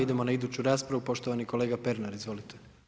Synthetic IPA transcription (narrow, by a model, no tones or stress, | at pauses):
id̪e̞mo̞naid̪uːt͡ɕuɾaːspɾaʋupo̞ʃt̪oʋaniko̞le̞ːɡape̞ɾnaɾizʋo̞lit̪ʰe